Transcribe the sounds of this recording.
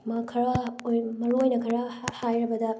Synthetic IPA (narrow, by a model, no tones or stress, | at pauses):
mɐkʰɐɾɐjmɐɾojnɐkʰɐɾɐhajɾɐbɐdɐ